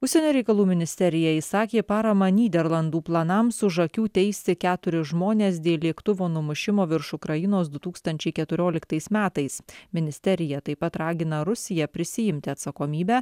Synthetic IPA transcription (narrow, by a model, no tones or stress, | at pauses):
ʊʃʲsʲɛnʲoːɾʲɛɪkɐlˠuːmʲɪnʲɪsʲt̪ʲɛɾʲɪjɛisɑːkʲeːpɑːɾɐmɐnʲiːd̪ʲɛɾlˠɐnd̪uːplˠɐnɐmsʊʒɐkʲuːt̪ʲɛɪsʲt̪ʲɪkʲæːt̪ʊɾʲɪʒmoːnʲeːs̬d̪ʲeːlʲiɛkt̪ʊʋoːnʊmʊʃʲɪmoːʋʲɪɾʃʊkɾɐjɪnoːsd̪ʊt̪uːkst̪ɐnʲt͡ʃʲɛɪkʲɛt̪ʊɾʲoːlʲɪkt̪ɐɪsmʲæːt̪ɐɪsmʲɪnʲɪsʲt̪ʲɛɾʲɪjɛt̪ɐɪpɐt̪ɾɑːɡʲɪnɐɾʊsʲɪjɛpʲɾʲɪsʲɪjɪmʲt̪ʲɪɐt̪sɐkoːmʲiːbʲæː